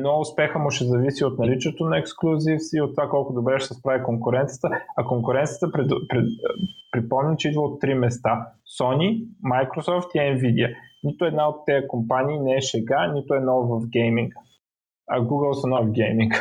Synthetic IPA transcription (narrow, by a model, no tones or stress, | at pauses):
ɛnɔʊspɛxəmʊʃɛzɐvisiot̪nɐlit͡ʃɛt̪onɐɛksklˠuzifsiot̪ːovakɔlˠkʊd̪obɾɛʃɛsɛspɾavʲikoŋkʊɾɛnt̪sijət̪əɐkoŋkʊɾɛnt̪sijət̪əpɾɛpɾɛpɾipɔmnʲit͡ʃɛid̪vəot̪ːɾimɛst̪asɔnimajkɾosɔft̪iɛnvid̪iənit̪ʊɛd̪naot̪ːɛjəkompanʲiːnɛɛʃɛɡanʲit̪ʊɛd̪nɔvɐfɡɛjmiŋk | ɐ̰ɡuɡəlˠsɐnɔfɡɛjmiŋk